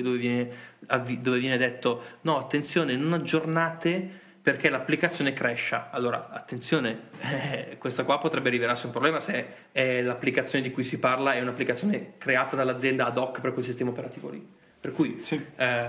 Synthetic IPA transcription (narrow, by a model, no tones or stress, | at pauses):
d̪oːvevjɛːneavid̪oːvevjɛːned̪ɛt̪ːonɔat̪ːent̪sjoːnenonad͡ʒːornaːt̪e | perk̟ɛlapːlikat̪sːjoːnekɾɛʃːaalːoːɾa̰at̪ːent̪sjoːne | kwest̪akwapːot̪ɾɛbːeɾivelarsiũmpɾoblɛːmase | ɛlapːlikat̪sjoːned̪ikujsiparlaɛunapːlikat̪sːjoːnekɾeaːt̪ad̪alːad̪zːjɛnd̪aːd̪ɔkːpeɾkwelsist̪ɛːmaopeɾat̪iːvo̰lḭ | perkuj